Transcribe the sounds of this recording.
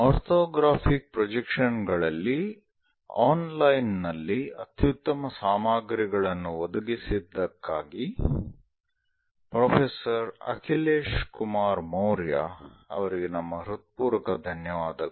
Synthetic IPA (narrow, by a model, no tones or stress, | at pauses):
ɔːɾt̪ʰoːɡɾaːpʰik̚pɾɔd͡ʒekʂɐnɡɐɭɐlːi | aːnlɐjnːɐlːiɐt̪jut̪ːɐmɐsaːmaːɡɾiɡɐɭɐnːuʋɔd̪ɐɡisid̪ːɐkːaːɡi | pɾoːpʰesɐɾɐ̰kʰileːʂkumaːɾmoːɾja̰ːɐ̰ʋɐɾiɡenɐmːɐɾut̪̚puːɾɐkɐd̪ʱɐnjɐʋaːd̪ɐ